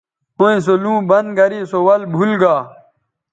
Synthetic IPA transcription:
õĩs̬olũːbɐnd̪ɡɐɾisowɐlbʱulɡaː

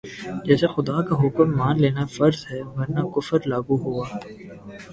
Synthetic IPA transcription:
d͡ʒɛːsexʊd̪aːkaɦʊkəmːaːnleːnafɐɾzɦɛʋɐɾnakʊfəɾlaːɡuɦuaː

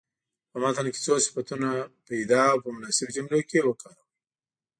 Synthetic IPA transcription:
pamɑt̪anke̥t͡sosɪ̥fat̪unapaid̪ɑwpəmʊnɑsɪbd͡ʒamlokewəkɑɾa

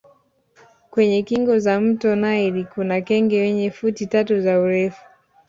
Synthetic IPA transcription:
kwɛɲɛkiŋɡɔzam̩tɔnaiɾikunakɛŋɡɛwɛɲɛfutitatuzauɾɛfu̥

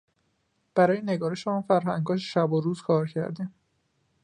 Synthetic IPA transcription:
b̥æɾɒːjeneɡɒːɾeʃeɔːnfæɾɦæŋɡɒːeʃæboɾuːzkʰɒːɾcʰæ̰ɾd̪iːm

